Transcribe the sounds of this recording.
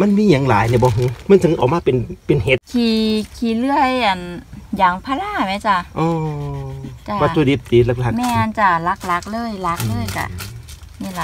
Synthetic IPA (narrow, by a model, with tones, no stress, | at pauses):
ma˧˥˨nmiː˧˥˨ɲa˨˦ŋlaː˨˦jna˧˩bɔː˧˦ɦu˧˦ma˧˥˨sa˧˦ŋ˧ʔɔː˨˩maː˧˥˨pe˨npe˨nhe˧˦t̪̚kʰiː˧˩kʰiː˧˩lɯ˧˩əjʔa˨˩njaː˨˩ŋpʰaː˧laː˧˥˩mɛ˧˦t͡ɕa˧ʔɔː˧˩ | t͡ɕa˧pa˧u˧di˧˦p̚t̪iː˨˦la˧˩k̚a˧mɛː˧˨ʔa˧˨nt͡ɕa˧˩la˧k̚la˧˥k̚lɤː˧˥˨jla˧˦˥k̚lɤː˧˥˨jka̰˧˩ | miː˧˥˨la˧